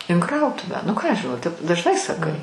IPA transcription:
ɪn ˈkrɐʊtʊʋʲæː nʊ ˈkɑː ˈɐʃ ʒʲɪˈnɐʊ tʲɛp dɐʒˈnɐɪ sɐˈkɐɪ

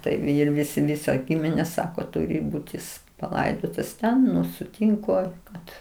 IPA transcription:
ˈtɐɪ ˈɪr ˈʋʲɪsʲɪ ˈʋʲɪsɐ ˈɡʲɪmʲɪnʲeː ˈsɑːkoː ˈtʊrʲɪ ˈbuːt jɪs pɐˈlˠɐɪdoːtɐs ˈtʲɛn nʊ sʊtʲiːŋˈkʊ kɐt

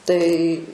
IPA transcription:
tɐɪ

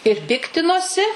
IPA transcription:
ɪr ˈpʲɪktʲɪnoːsʲɪ

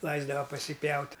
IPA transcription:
ˈlˠɐɪzdɐʋɐ pɐsʲɪˈpʲjɛʊtʲ

